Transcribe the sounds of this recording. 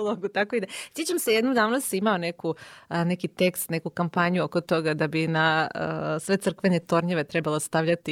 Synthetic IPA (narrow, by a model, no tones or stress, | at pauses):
lˠoɡut̪akoid̪asjet͡ɕt͡ʃamsejed̪nomd̪aːʋnosimaone̞kune̞kit̪e̞kst̪ne̞kukampaɲuoko̞t̪o̞ɡad̪abinaəsʋe̞t̪sr̩kʋenet̪o̞ɾɲeʋe̞t̪ɾebalost̪aʋʎat̪i